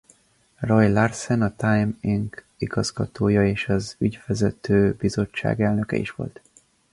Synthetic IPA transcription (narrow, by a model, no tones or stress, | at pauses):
rɒjlarsɛnɒt̪ajmiŋk | iɡɒzɡɒt̪ʰoːjɒeːʃɒzyɟfɛzɛt̪ʰøːbizo̞t͡ʃːa̰ːɡɛlnø̞kɛ̰ḭʃʋo̞̰lt̪